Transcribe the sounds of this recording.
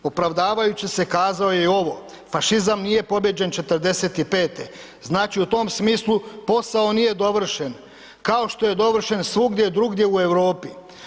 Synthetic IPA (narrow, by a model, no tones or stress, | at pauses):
opɾaʋd̪aːʋajut͡ɕise̞kaːzaoje̞io̞ʋo̞ | faʃizamnije̞po̞bje̞d͡ʑe̞nt͡ʃe̞t̪rd̪e̞se̞t̪ipe̞ːt̪e̞ | znaːt͡ʃiut̪o̞msmiːslˠupo̞sao̞nije̞d̪o̞ʋr̩ʃen | kao̞ʃt̪o̞je̞d̪o̞ʋr̩ʃe̞nsʋuɡd̪jed̪ɾuɡd̪je̞ue̞ʋɾo̞ːpi